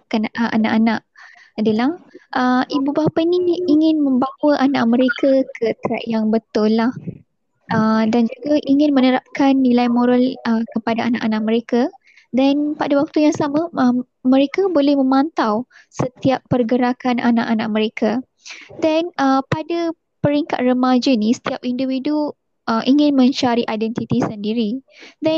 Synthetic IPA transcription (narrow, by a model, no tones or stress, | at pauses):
kanʔa̰naʔanaʔ | adalahʔəʔibubapainiːŋɪ̃nmə̃mbawəʔanaʔ̚mə̃ɾekakʰət̪ɾa̰ʔjaŋbət̪ʊlːah | ʔədand͡ʒuɡaʔiŋɪ̃nmənəɾap̚kanːilajmoɾaləkəpadaanaʔanãʔ̚mə̃ɾeka | dɛnpadawak̚t̪ujaŋsamãə | mə̃ɾekabolɛhmə̃mãnt̪awsət̪iapːərɡəɾakanʔanã̰ʔanãʔ̚mə̃ɾeka | dɛnəpada | pəɾiŋka̰t̪̚rəmad͡ʒənĩsə̥t̪iap̚indiwidu | ʔəʔiŋɪ̃nmə̃ɲt͡ʃaɾiʔajdɛnt̪it̪isəndiɾidɛ